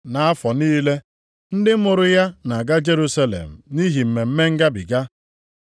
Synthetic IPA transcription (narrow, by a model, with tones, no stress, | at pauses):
na˨a˦fɔ˨niː˦le˦ | n̩˦dɪ˦m̩˦mʊ˨ɾʊ˦ja˦na˨ɡa˦d͡ʒe˦ɾu˦sa˦lḛ˨m̩˨ni˦ɦi˨m̩˨me˨m̩˦me˦ŋ̩˦ɡa˦bi˨ɡa˦